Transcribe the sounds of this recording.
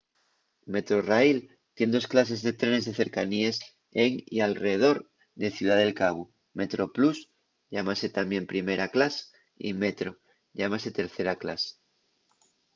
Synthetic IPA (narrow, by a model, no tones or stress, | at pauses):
me̞t̪ɾo̞raijl | t̪je̞nd̪o̞sklas̬e̞zðe̞t̪ɾene̞zðe̞θeɾkanies | eŋḭalreeðo̞ɾ | ðe̞θjuð̞aðe̞lkaβu | me̞t̪ɾo̞plus | ʎamase̞t̪ambje̞mpɾime̞ɾaklase̥ | ḭme̞t̪ɾo̞ | ʎamase̞t̪e̞ɾθe̞ɾakla̰s